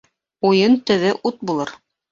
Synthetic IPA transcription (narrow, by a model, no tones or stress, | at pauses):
ujɤnt̪ɵ̆ðɘʔut̪̚bulˠɤɾ